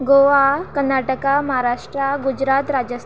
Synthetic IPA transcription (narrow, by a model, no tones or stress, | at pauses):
ɡoʋakənaʈəkaməɦaɾaʂʈɾaɡud͡ʑɾat̪ɾad͡ʑəs